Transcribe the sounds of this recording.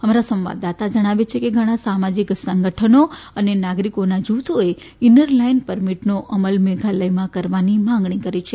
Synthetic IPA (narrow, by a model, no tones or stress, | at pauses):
ɦəmaɾasəmʋa̰d̪at̪ad͡ʒəɽ̃aʋet͡ʃʰekeɡʱəɽ̃ãsamad͡ʒiksəŋɡəʈʰənoənenaɡɾikonad͡ʒut̪ʰoe | inəɾlainpəɾmiʈnoʔəməlmeɡʱaləjmãkəɾʋanimãŋɡɳ̃ikəɾit͡ʃʰe